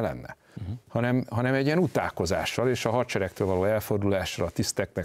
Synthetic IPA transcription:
lɛ̰nːɛ̰ | hɒnɛmɦɒnɛmɛɟːiɛnut̪a̰ːko̞za̰ːʃːɒleːʃɒɦɒrt͡ʃɛɾɛk̚t̪øːlvɒloːɛlfo̞rd̪ulaːʃːɒlɒt̪ist̪ɛknɛ

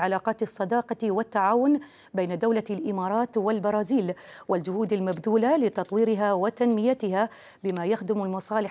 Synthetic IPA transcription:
ʕalaːqɑːt̪ɑsˤːɑd̪ɑːqɑwat̪ːaʕaːwʊn | bajnad̪awlalʔɪmɑːɾˤɑːt̪walbɑɾˤɑːziːlwald͡ʒʊhuːd̪almabðuːlalɪt̪ɑt̪ˤwiːɾɪɦaːwat̪anmɪjat̪ɪɦa | bɪmaːjaxd̪ɪmalmɑsˤɑːlɪ

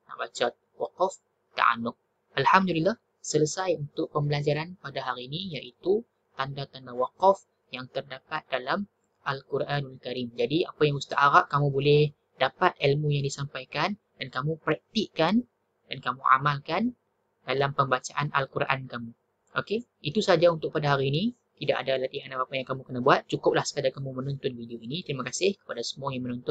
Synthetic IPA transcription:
na̰ʔbat͡ʃat̪̚waqɔf | t̪a̰ʔa̰nʊk̚ | ʔalhamdulilːah | sələsajunt̪ʊʔ̚pəmbəlad͡ʒaɾanpadaɦaɾiːnijaʔit̪u | t̪andat̪andawaqɔf | jaŋt̪ərdapat̪̚dalam | ʔalkuɾʔanalkaɾimd͡ʒadia̰pajaŋust̪aʔaɾaʔkamubolɛh | dapat̪̚ilmujaŋdisampajkan | d̥ankamũpɾɛk̚t̪iʔkan | d̥ankamua̰malkan | d̥alampəmbat͡ʃaʔana̰lkuɾʔa̰nkamu | ʔo̰ke | it̪usad͡ʒaunt̪ʊk̚padaɦaɾiːni | t̪idaʔadalat̪iɦanapapajaŋkamukənabuat̪̚t͡ʃukʊp̚lahsə̥kadakamũmənɔnt̪ɔnvidioinit̪əɾimakasɪhkə̥padasə̥muajaŋmənɔnt̪ʊn

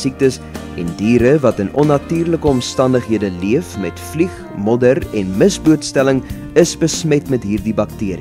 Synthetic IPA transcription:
sik̚təs | ɛ̰ndiːɾəvɐtənɔnːɐtyːrləkəɔmstɐndəχɦiədəliəfmɛtfliχ | mɔdəɾɛnməsbuətstæləŋ | əsbəsmɛtmɛtɦiːrdibɐk̚tiəɾḭ

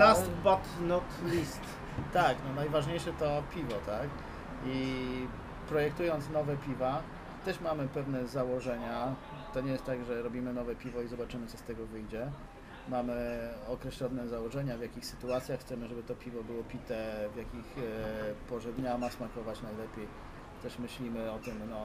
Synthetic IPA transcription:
last̪batnɔt̪lʲist̪ː | aknɔnajvaʐɲejʂɛt̪ɔpʲivɔt̪ak | i | pɾɔjɛk̚t̪ujɔnt̪snɔvɛpʲiva | t̪ɛʂmamɘpɛvnɛzawɔʐɛɲa | t̪ɔɲɛjest̪t̪aɡʐɛɾɔbʲimɘnɔvɛpʲivɔizɔbat͡ʂɘmɘt̪sɔst̪ɛɡɔvɘjd͡ʑɛ | mamɘɔkɾɛɕlɔnɛzawɔʐɛɲavjakʲixsɘt̪uat̪sʲjaxːt̪sɛmɘʐɛbɘt̪ɔpʲivɔbɘwɔpʲit̪ɛvʲjakʲix | pɔʐɛd̪ɲamasmakɔvat͡ɕnajlɛpʲjej | t̪ɛʂmɘɕlʲimɘɔt̪ɘmnɔ

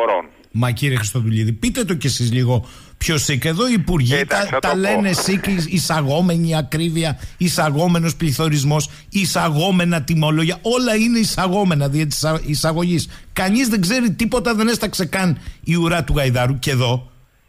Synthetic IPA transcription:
mɐciɾiexɾist̪o̞ðuʎiðipit̪e̞t̪o̞ce̞sizliɣo̞ | pço̞sikeðo̞iːpuɾʝit̪ɐt̪ɐle̞ne̞sikisɐɣo̞me̞ɲiɐkɾiviɐisɐɣo̞me̞no̞spliθo̞ɾizmo̞s | isɐɣo̞me̞nɐt̪imo̞lo̞ʝɐʔo̞lɐine̞isɐɣo̞me̞nɐðiɐt̪i̥sisɐɣo̞ʝiskɐɲizðe̞ɡze̞ɾit̪ipo̞t̪ɐðe̞ne̞st̪ɐkse̞kɐniuɾɐt̪uɣɐjðɐɾuce̞ðo̞

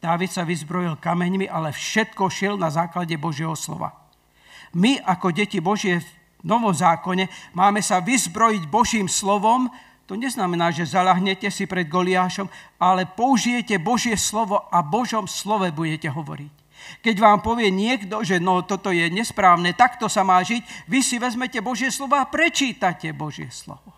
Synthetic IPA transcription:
d̪̥aːʋit̪saʋizbɾɔjilkamɛɲmiʔalɛfʃɛt̪kɔʃilnazaːklaɟɛbɔʒɪɛɦɔslɔ̰ʋa̰ | miʔakɔɟɛcibɔʒɪɛv | nɔʋɔmzaːkɔɲɛmaːmɛsaʋizbɾɔjiɟbɔʒiːmslɔʋɔm | t̪ɔɲɛznamɛnaːʒɛzaʎaɦɲɛcɛsipɾɛd̪̚ɡɔliaːʃɔmalɛpɔuʒijɛcɛbɔʒɪɛslɔʋɔʔabɔʒɔmslɔʋɛbuɟɛcɛɦɔʋɔ̰ɾic | kɛɟʋaːmpɔʋɪɛɲɪɛɡd̪ɔʒɛnɔt̪ɔt̪ɔjɛɲɛspɾaːʊnɛːt̪akt̪ɔsamaːʒiɟʋisiʋɛzmɛcɛbɔʒɪɛslɔʋɔapɾɛt͡ʃiːt̪acɛbɔʒɪɛ̰slɔ̰ʋɔ

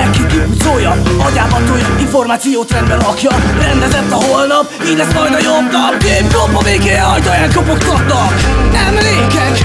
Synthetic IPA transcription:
ɛkːikipuzoːjɒɒɟaːɦɒt̪oːjɒiɱfo̞rmaːt̪sijoːt̪rɛnd̪bɛlɦɒkjɒrɛnd̪ɛzɛt̪ːɒɦo̞lnɒp | iːɟʲlɛsmɒjd̪ɒjo̞bnɒpeːnkopːɒveːɡeːjɛɒjt̪ɒjaːt̪kopokt̪ɒt̪nɒk | nɛmleːkɛk

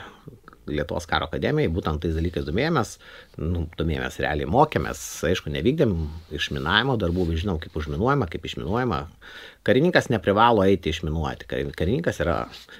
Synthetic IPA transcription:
lʲiɛt̪ʊʋo̰ːskɑːɾoːkɐd̪ʲæːmʲɪjɛɪbuːt̪ʲɛnt̪t̪ːɐɪsd̪ɐlʲiːkɐɪsd̪oːmʲeːjomʲɛsnʊd̪oɔmeːjo̰mʲɛ̰sɾ̰ʲa̰ːlʲɛ̰moːkʲeɛmʲɛ̰sɐɪʃkʊnʲɛʋʲiːɡ̚d̪ʲɪɛmɪʃmʲɪnɑːʋʲɪmoːd̪ɐrbuːʋʲɪʒʲɪnoʊkɐɪpʊʒmʲɪnuɔjɛmɐkɐɪpɪʃmʲɪ̰nuɔjɛmɐ̰ | kɐɾʲɪnʲiŋkɐsnʲɛpʲɾʲɪʋɑːlˠoːɛɪt̪ʲɪɪʃmʲɪnuɔt̪ʲɪ̥kɐ̰kɐɾʲɪnʲiːŋkɐsiːɾɐ̰

